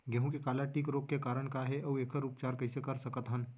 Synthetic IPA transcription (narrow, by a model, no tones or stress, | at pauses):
ɡẽɦũkikalaʈiːkɾokkekaɾəɳkaɦeʔɐwekʰəɾupt͡ʃaɾkəjsekəɾsəkət̪ɦən